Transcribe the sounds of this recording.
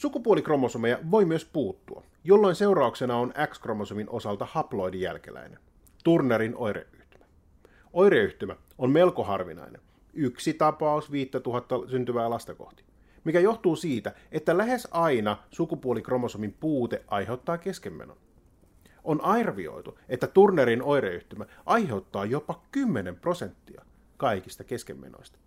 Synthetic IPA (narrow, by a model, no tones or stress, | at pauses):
sukupuolikro̞mo̞sumejɑʋo̞jmyøspuːt̪ːuɑ̰ | jolːo̞inse̞uɾɑukse̞nɑonækskro̞mosuminʔo̞sɑlt̪ɑhɑplo̞idijæ̰lk̟ḛlæ̰inen | t̪urneɾino̞jɾḛʔyht̪y̥mæ̥ | o̞jɾeyht̪ymæ | omme̞lkoɦɑ̰rʋḭnɑ̰inen | yksit̪ɑpɑusʋiːt̪ːæt̪uɦɑt̪ːɑsynt̪yʋæːlɑst̪ɑko̞̰ht̪i̥ | mikæjo̞ht̪uːsiːt̪æet̪ːælæɦe̞sɑjnɑsukupuolikro̞mosomimpuːt̪eʔʔɑjɦe̞wt̪ːɑːke̞skemːeno̰n | ʔonʔɑjrʋio̞̰jt̪uet̪ːæt̪urneɾino̞jɾeyht̪ymæʔɑjhe̞wt̪ːɑːjopːɑkymːenempro̞se̞nt̪ːiɑ̰ | kɑjkist̪ɑke̞skḛmːḛno̰ist̪ɑ̥